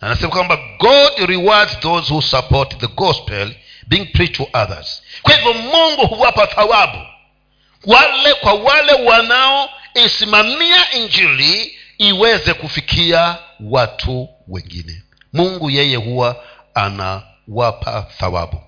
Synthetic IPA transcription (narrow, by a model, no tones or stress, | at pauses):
anasɛmakwambaɡɔdɾiwadzðozhusapɔtðəɡɔspɛl | biːŋpʰɹitʰuʔaðə̰z̥kwahivjɔmuŋɡuhuwapaθawabṵ | walɛkwawalɛwanaɔisimamiaʔind͡ʒili | iwɛzɛkufikʰiawatʰu | wɛ̰ŋɡḭnɛ̰ | muŋɡujɛjɛhuwa | a̰na̰ | wapʰa̰θa̰wa̰bu